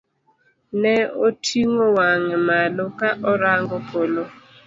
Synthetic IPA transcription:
nɛotʰiŋowaŋɛmalokaʔɔɾaŋɡopʰolo

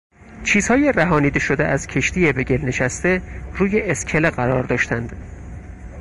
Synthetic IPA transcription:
t͡ʃʰiːz̥hɒːje̞ræɦɒːniːd̪eʃod̪ḛʔæz̥cʰe̞ʃt̪ije̞be̞ɟelne̞ʃæst̪e̞ruːjeʔescʰeleɣæɾɒːɾd̪ɒːʃt̪ænd̪̥

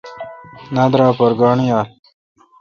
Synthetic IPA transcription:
nad̪ɾɑːpoɾɡɑːɳjaːl

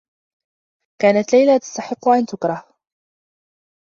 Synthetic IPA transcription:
kaːnat̪lajlaːt̪ḁst̪aħɪqːʊʕant̪ʊkɾˤɑh

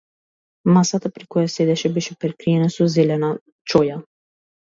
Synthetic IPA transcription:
masat̪apɾikojasɛd̪ɛʃɛbɛʃɛpɾɛkɾiɛnasɔzɛlɛna | t͡ʃoja

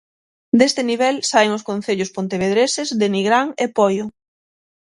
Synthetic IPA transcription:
d̪est̪ɪniβɛlsaeŋʊskon̟θeʎʊspont̪eβeð̞ɾesɪzðɪniɣɾaŋepɔjʊ

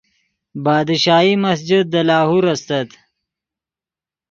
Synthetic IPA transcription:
bɑːd̪ʃɑːimasd͡ʒɪd̪̚ːəlɑːhuɾast̪ɐt̪

